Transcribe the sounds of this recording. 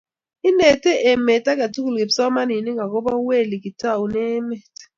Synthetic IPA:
i˦nɛ˨tɛ˦ʔɛ˨mɛ˨ta˦k̬a˨tu˦ku˨lke˨bsɔ˦ma˦ni˨ni˦ŋa˨k̬ɔ˦ba˦we˦˨li˨ki˨ta˦˨u˨nɛ˦mɛ˨tɛ̥˨

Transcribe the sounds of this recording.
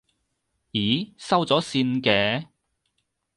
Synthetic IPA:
jiː˨˥sɐ˥wt͡sɔː˨˥siː˧nkɛː˧

